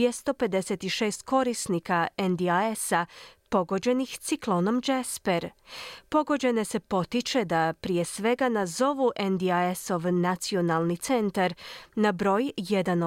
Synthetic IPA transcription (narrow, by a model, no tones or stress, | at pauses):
est̪o̞pe̞d̪e̞set̪iʃe̞ːst̪ko̞ɾisnikaend̪iaesapo̞ɡo̞d͡ʑe̞nixt̪siklˠo̞no̞md͡ʒespeɾpo̞ɡo̞d͡ʑe̞ne̞se̞po̞t̪it͡ʃe̞d̪apɾije̞sʋe̞ɡanazo̞ʋuʔend̪iaeso̞ʋnat̪sio̞nalˠnit̪se̞nt̪aɾnabɾo̞ːjje̞d̪ano